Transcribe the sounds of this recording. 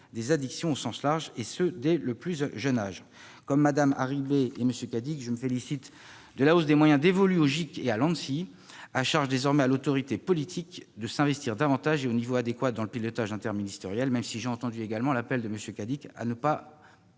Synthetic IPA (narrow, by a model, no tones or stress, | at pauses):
d̪ezad̪iksjɔ̃osɑ̃slaʁʒesød̪ɛləplyzʒənaʒ | kɔmːad̪ama̰ʁibeeməsjøkad̪ikʒəməfelisit̪ | d̪əlaos̬d̪emwajɛ̃d̪evɔlyoʒikealɑ̃nsi | aʃaʁʒd̪ezɔʁmɛalot̪ɔʁit̪epɔlit̪ʰikd̪əsɛ̃vɛst̪iʁd̪avɑ̃t̪aʒeonivoad̪ekwad̪ɑ̃ləpilɔt̪aʒɛ̃t̪ɛʁminist̪eʁjɛlmɛmsiʒeɑ̃t̪ɑ̃d̪yeɡalmɑ̃lapɛld̪əməsjøkad̪ika̰nəpa